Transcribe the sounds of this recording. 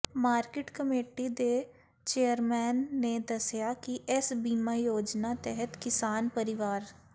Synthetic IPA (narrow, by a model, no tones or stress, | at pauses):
maːɾkɪʈkəmeːʈid̪eː | t͡ʃeːəɾmɛːnːeːd̪əsjaːkiʔɪsbiːmaːjoːd͡ʒnaːt̪ɛɦət̪kɪsaːnpəɾɪʋaːɾ